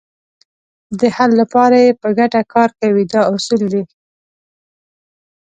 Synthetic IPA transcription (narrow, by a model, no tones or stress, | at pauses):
d̪əhalːapɑɾajepəɡaʈakɑɾkawid̪ɑʊsuld̪e